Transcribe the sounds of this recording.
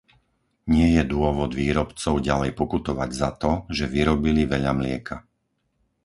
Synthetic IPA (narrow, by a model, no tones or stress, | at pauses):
ɲɪɛjɛd̪ʊɔʋɔd̪ʋiːɾɔpt͡sɔʊɟalɛjpɔkut̪ɔʋaɟzat̪ɔʒɛʋiɾɔbiliʋɛʎamlɪɛkʰa